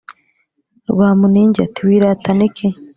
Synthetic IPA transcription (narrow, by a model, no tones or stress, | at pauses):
ɾuβaːmuniɲɟatiwiɾatanikʰe